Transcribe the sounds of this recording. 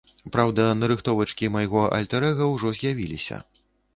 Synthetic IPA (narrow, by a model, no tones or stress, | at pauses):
pɾawd̪ɐnɐɾɨxt̪ɔvɐt͡ʂkʲimajɣɔʔɐ̰lʲt̪ɛɾɛɣɐwʐɔzʲjavʲilʲisʲɐ̰